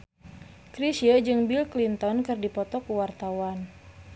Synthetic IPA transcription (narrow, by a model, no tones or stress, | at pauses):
kɾisiəd͡ʒɨŋbilklint̪ɔnkɨrdipɔt̪ɔkuwart̪awan